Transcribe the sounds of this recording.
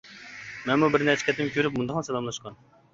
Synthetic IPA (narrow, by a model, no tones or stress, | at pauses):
mɛnmubɪɾnɛt͡ʃʰɛ̥kʰʲɛt̪ːɪmkʲʰøɾɪp̚mund̪ɑχnsɛlˠɑmlˠɑʃqɑn